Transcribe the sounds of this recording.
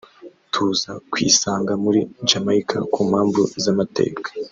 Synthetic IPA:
tʰuzakwḭːsaːŋɡamuɾid͡ʒamaikʰa̰kuːmhaːɱvṵzamate̞̰ːkḁ

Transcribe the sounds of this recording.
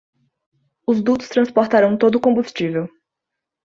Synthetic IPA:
ʊzd̪ut̪ʊ̥st̪ɾɐ̃spoɾt̪aɾɐ̃w̃t̪od̪ʊkõmbust͡ʃivew

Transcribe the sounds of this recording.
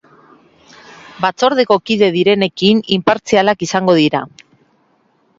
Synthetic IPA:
bat͡so̞ɾð̞e̞ko̞kiðe̞ð̞iɾe̞ne̞kinimpaɾt͡sialakisaŋɡo̞ð̞iɾa

